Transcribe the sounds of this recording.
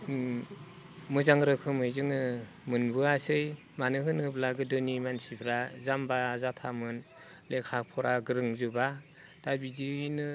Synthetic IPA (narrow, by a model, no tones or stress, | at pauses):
mɯzaŋɾɯkʰɯmɯjzɯŋɯ | mɯnbɯasɯj | manɯɦɯnɯblaɡɯdɯnimansibʰɾazambazatʰamɯn | lekʰapʰɔɾaɡɯɾɯŋzɯba | d̥abiziinɯ